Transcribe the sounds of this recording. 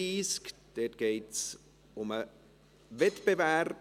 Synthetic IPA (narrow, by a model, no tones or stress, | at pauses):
iːskd̥et̚ɡ̥eɪts | ʊmə | vɛtb̥evær